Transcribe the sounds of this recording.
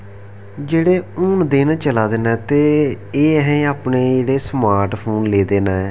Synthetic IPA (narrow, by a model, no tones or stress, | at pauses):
d͡ʒeːɽeːʊːnd̪ɪnt͡ʃəlaːd̪eːnãːt̪eː | eːɦɛ̃aːpɳeːd͡ʒeːɽeːsmaːɾʈpʰoːnleːd̪eːnãːɛː